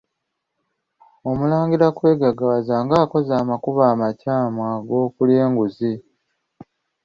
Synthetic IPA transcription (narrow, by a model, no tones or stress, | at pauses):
o̞mulaːŋɡiɾakwe̞ːɡaɡawazaːŋɡaːko̞zaːmakuβaːmacaːmwaɡo̞ːkule̞ːŋɡuzi